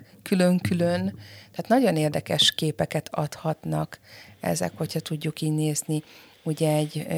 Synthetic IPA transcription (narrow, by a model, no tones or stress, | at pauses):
kyløŋkylønt̪ɛaːt̪nɒɟo̞neːrd̪ɛkɛʃkeːpɛkɛt̪ʰɒ̰t̪hɒt̪nɒkɛ̰zɛ̰kho̞chɒt̪uɟːukiːɟneːzni | uɟɛɛɟː